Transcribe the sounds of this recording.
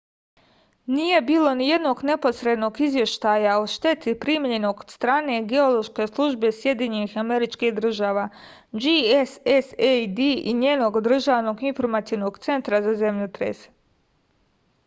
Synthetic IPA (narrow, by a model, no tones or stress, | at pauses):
nije̞biːlˠo̞nije̞d̪no̞ːɡne̞po̞sɾe̞d̪no̞ːɡizʋje̞ʃt̪aːjaoʃt̪e̞t̪ipɾimɲe̞no̞ɡod̪st̪ɾaːne̞ɡeolˠo̞ʃke̞slˠuʒbe̞sje̞d̪jiɲenixame̞ɾit͡ʃkiɦd̪ɾr̩ʒaːʋaː | d͡ʒiesesejd̪iiɲjeːno̞ɡod̪r̩ʒaːʋno̞ɡinfo̞ɾmat̪iʋno̞ɡt̪se̞nt̪ɾazaze̞mʎut̪ɾḛs